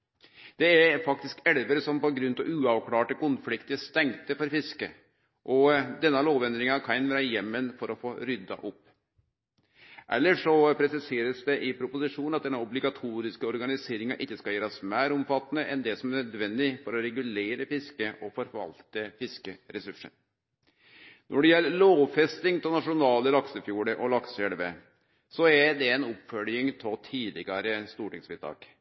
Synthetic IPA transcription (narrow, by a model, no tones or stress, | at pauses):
d̪̥ɛæɾfɑk̚t̪ɪskɛlʋəɾəsɔmpɔɡɾʉnt̪ɔʔʉːɑʋkʰlɑːʈəkʊnfɽɪkt̪ɪəst̪ɛŋt̪əfɔɾfɪskə | ʔɔd̪ɛnːɑloːʋɛnd̪ɾɪŋɑkʰɑɪnʋæːɾɑjɛmːənfɔɾɔfoːɾʏd̪ɑ̰ʔʊpː | ʔɛ̰lːəʂɔpʰɾɛsɪseːɾəsd̪ɛʔɪpʰɾʊpʊsɪʂuːnnɑt̪̚d̪ɛnːɑʊblɪɡɑt̪ʰuːɾɪskəɔɾɡɑnɪseːɾɪŋɑʔɪçːəskɑljeːɾɑsmæːɾʊmfɑt̪ːənəʔɛnd̪ɛsɔmæɾnœd̪ʋɛnd̪ɪfɔɾɔɾɛɡʉleːɾəfɪskəʔɔfɔɾʋɑ̰lt̪əfɪskəɾɛsʉʂə̰n | nʔɔɖɛjɛlːəɭoːfɛst̪ɪŋt̪ʰɔlnɑʂʊnɑːləlɑksəfjuːɖəʔɔlɑksɛlʋə | sɔɛd̪ɛnʊpfœljɪŋt̪ʰɔt̪ʰiːlɪɡɑɾəst̪uːʈɪŋsʋɪd̪t̪ʰɑ̰ːk